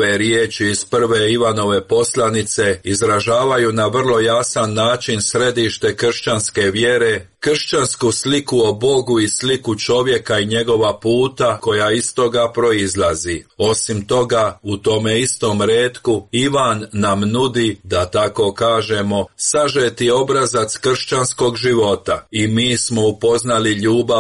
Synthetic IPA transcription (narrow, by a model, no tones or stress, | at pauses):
eɾjet͡ʃiːzpr̩ʋe̞iʋano̞ʋe̞po̞slˠanit̪se̞izɾaʒaːʋajunaʋr̩lˠo̞jasanːaːt͡ʃinsɾe̞d̪iʃt̪e̞kr̩ʃt͡ʃanske̞ʋjeɾe̞ | kr̩ʃt͡ʃanskuslikuo̞bo̞ɡuislikut͡ʃo̞ʋje̞kaiɲe̞ɡo̞ʋapuːt̪ako̞jaist̪o̞ɡapɾo̞izlazio̞simt̪o̞ɡaut̪o̞me̞ist̪o̞mɾeːt̪kuiʋanːamnud̪id̪at̪ako̞kaːʒemo̞saʒet̪io̞bɾazat̪skr̩ʃt͡ʃansko̞ɡʒiʋo̞t̪aimiːsmo̞upo̞znaliʎuːba